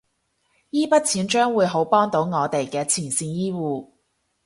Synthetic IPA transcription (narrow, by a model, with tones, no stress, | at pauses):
jiː˥pɐ˥t̚t͡sʰiː˨˥nt͡ʃœː˥ŋwuː˨˧jɦo˨˥wpɔː˥ŋt̪o˨˥wŋɔː˨˧t̪e˨jkɛː˧t͡sʰiː˨˩nsiː˧njiː˥wuː˨˧